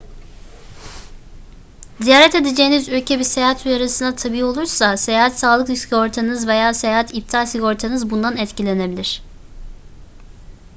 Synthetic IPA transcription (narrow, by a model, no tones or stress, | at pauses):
zijaːɾɛt̪e̞d̪ed͡ʒejinizylʲcʰɛbise̞jaːɦat̪ʰujaɾasɯnd̪at̪ʰabiːo̞lˠuɾsase̞jaːɦat̪saːlˠɯksɡo̞ɾt̪ʰanɯzve̞jaːse̞jaːɦat̪ʰip̚t̪ʰalʲsiɡo̞ɾt̪ʰanɯzbund̪anɛt̪cilʲe̞ne̞bilʲiɾ̝̥